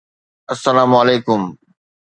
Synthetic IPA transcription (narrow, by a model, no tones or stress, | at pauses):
ɐsːɐlaːmɐleːkʊm